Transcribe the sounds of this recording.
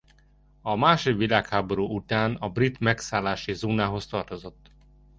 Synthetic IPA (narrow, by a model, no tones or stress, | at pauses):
ɒmaːʃod̪ʋilaːkhaːbo̞ɾuːut̪aːnɒbrit̪mɛksaːlaːʃizoːnaːɦo̞st̪ɒrt̪o̞zo̞t̪ː